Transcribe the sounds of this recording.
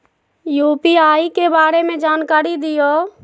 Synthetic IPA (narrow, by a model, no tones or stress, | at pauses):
juːpiaːikebaːɾemẽd͡ʒaːnkaːɾid̪ɪjoː